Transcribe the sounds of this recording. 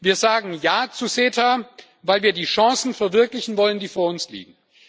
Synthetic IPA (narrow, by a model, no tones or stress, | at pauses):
viːɐzaːɡŋ̩jaːt͡suseːtʰa | vaɪlviːɐdiːʃɑ̃ŋsn̩fɛɐvɪɐklɪçn̩vɔləndiːfoːɐʊnslḭːɡŋ̩